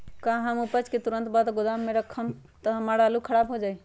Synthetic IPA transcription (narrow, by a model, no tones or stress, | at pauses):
kãɦəmupət͡ʃket̪uɾənt̪bad̪ɡod̪amːeɾəkʰːəm | t̪əɦəmaɾalukʰəɾabɦod͡ʒaj